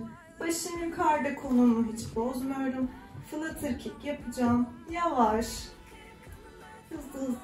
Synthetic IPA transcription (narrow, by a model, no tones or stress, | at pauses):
b̥aʃɯnukʰaɾd̪akʰolˠunuɦit͡ʃbozmujo̞ɾumfɯnɯt̪ʰɯɾcʰikjapʰɯd͡ʒaːmjavaʃ | hɯzɯz